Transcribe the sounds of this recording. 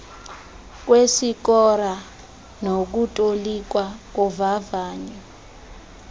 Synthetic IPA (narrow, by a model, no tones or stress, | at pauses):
k̬wesik̬ɔɾa | nok̬utʼolik̬wak̬uvavaːɲɛ